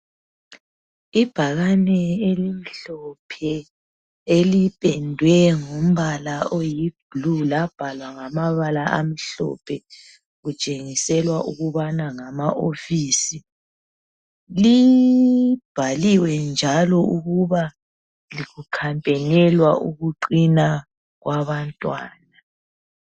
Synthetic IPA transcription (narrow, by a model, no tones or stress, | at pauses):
ib̥ʱaɣanɛelim̩ɬɔpʰɛ | elipʼɛndʱwɛŋom̩βalaojib̥ʱlulab̥ʱalwaŋamaβalaʔa̰m̩ɬɔ̰pʰɛ | ɣut͡ʃʼeŋisɛlwaʔuɣuβanaŋamaʔofiːsi | li | b̥ʱaliwɛnd͡ʒʱalɔuɣuβa | liɣukʰampʼɛnɛlwaʔuɣuǃina | ɣwʔaβantʼwa̰ːna